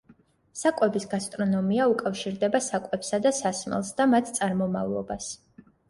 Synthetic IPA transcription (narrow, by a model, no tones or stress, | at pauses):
sakʼwɛbisɡast̪ʼɾɔnɔmiaukʼafʃiɾd̪ɛbasakʼwɛpsad̪asasmɛ̰lˠsd̪amat̪ʰt̪sʼaɾmɔma̰vlˠɔ̰bas